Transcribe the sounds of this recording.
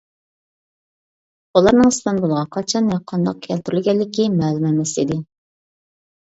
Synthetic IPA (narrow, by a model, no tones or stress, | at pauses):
ulˠɑɾnɨŋɨst̪ɨnbolˠʁɑqʰɑt͡ʃʰɑnjɑqʰːɑnd̪ɑq̚kʲʰɛlt̪yɾylɡʲɛlːɪkʲimɛːlˠumɛmɛsid̪ɪ